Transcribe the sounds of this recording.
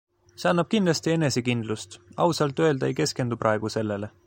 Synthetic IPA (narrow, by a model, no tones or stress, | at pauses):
se̞ɑnːɑb̥̚kind̪lɑst̪ie̞ne̞se̞kind̪̥lust̪ɑ̰wsɑlt̪ːˑø̞eld̪ɑejke̞ske̞nd̪upɾɑe̞ɡ̥use̞lːe̞le̞